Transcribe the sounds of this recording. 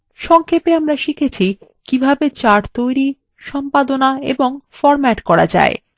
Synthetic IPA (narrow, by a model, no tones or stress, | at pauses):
ʃɔŋkʰepeamɾaʃikʰet͡ɕʰikibʱabet͡ɕaɾt̪ojɾi | ʃɔmpad̪onaḛboŋfɔɾmɛʈkɔɾad͡ʑa̰e